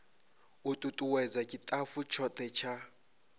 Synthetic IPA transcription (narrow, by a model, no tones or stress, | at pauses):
utʼutʼuwɛd͡zakʼitʼafut͡ʃʰɔt̪ʰʼɛt͡ʃʰa